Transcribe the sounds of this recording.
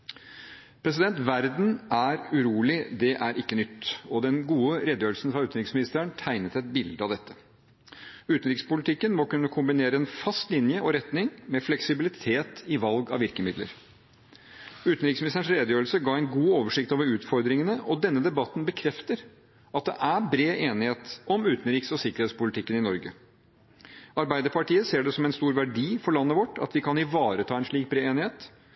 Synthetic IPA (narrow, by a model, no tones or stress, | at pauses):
pʰɾɛs̬ɪd̪ɛnt̪ʋæɾd̪n̩æɾʉɾuːlɪd̪ɛʔæɾʔɪkːənʏt̪ːɔd̪ɛnɡuːəɾɛd̪jøːɾl̩sn̩fɾɑʉːt̪n̩ɾɪksmɪnɪst̪əəɳt̪ʰæɪnət̪ɛt̪̚bɪld̪əɑʋd̪ɛt̪ːə̥ | ʉːt̪n̩ɾɪkspʊlɪt̪ɪkːənmɔkʉnːəkʰʊmbɪneːɾəɛnfɑst̪lɪnjəʔɔɾɛt̪nɪŋmɛflɛksɪbɪlɪt̪ʰeːt̪ɪʋɑlɡɑ̰ʋɪɾkəmɪd̪lə̰ɾ | ʉːt̪n̩ɾɪːksmnɪst̪əɳʂɾeːd̪əjøːl̩səɡɑːɛɪnɡuːoːʋəʂɪk̚t̪oːʋəɾʉːt̪fɔɾd̪ɾɪŋənəʔɔd̪ɛnːəd̪ɛbɑt̪ːnbəkʰɾɛft̪əɾ | ɑt̪̚d̪ɛ̰ʔæbɾeːʔeːnɪheːt̪ɔmʉːt̪n̩ɾɪːksɔsɪkːəɾheːt̪spʊlɪt̪ʰɪkːənɪnɔɾɡə̰ | ɑɾbæɪd̪əpʰɑʈiːəseːɖɛsɔmɛnst̪uːɾʋæɖiːfɔɭɑnːəʋɔʈːɑ̰t̪ʋɪkʰɑnɪʋɑːɾət̪ʰɑːɛnʂɭiːk̚bɾeːeːnɪheːt̪